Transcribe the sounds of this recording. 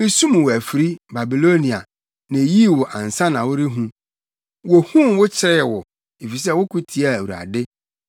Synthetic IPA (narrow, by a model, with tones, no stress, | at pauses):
e˦sũ˦m̃˨wʊ˨æ˨fi˨ɾi˦ba˨bi˨lo˦nĩ˨a̰˨ | nã˨ji˦˨wʊ˨ʔã˨n̩˨sã˦nã˨wʊ˦ɾɪ˦ɦũ˦ | wo˨hũ˦wʊ˦t͡ɕʰɪ˨ɾɛ˦ɛ˨wʊ˨ | e˨fi˨s̬ɛ˦wʊ˦kʰu˦tʰi˨a˨wu˨ɾa̰˨dɪ˦